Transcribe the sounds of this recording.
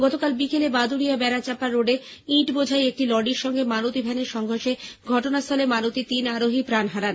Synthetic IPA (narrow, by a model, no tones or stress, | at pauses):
ɡɔt̪okalbikelebad̪ʱuɾijabɛɾat͡ɕapaɾoɖe | iʈbod͡ʑʱajek̚ʈilɔɖiɾʃɔŋɡemanot̪ibʱɛneɾʃɔŋɡʱoɾʃeɡʱɔʈonast̪ʰɔlemanot̪it̪inaɾoɦipɾanɦaɾan